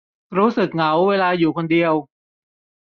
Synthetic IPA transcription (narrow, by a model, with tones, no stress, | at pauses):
ɾuː˦˥sɯ˨˩k̚ŋa˩˦wːeː˧laː˧juː˨˩kʰo˧ndi˧əw